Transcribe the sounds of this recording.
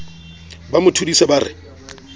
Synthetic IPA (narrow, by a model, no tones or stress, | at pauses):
bamʊtʰudisɛbaɾɪ̰